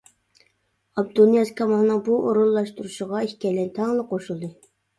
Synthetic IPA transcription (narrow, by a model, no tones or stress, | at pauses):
ɑb̚d̪unijɑskʰɑmɑnːɨŋbuʔoɾulˠːɑʃt̪uɾuʃəʁɑeʃkʲɛlːɛnt̪ʰɑŋlˠəqʰoʃulˠd̪ɨ